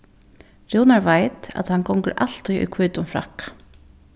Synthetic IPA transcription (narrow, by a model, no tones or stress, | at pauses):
ɾuwnaɹvajt̪a̰t̪hankɔwŋkəɾʔaɬt̪ujʔṵjkʰvuːt̪ʊmfɾa̰hkḁ